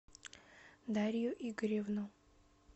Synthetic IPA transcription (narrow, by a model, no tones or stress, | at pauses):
d̪aɾʲjʊʔiɡɾʲevno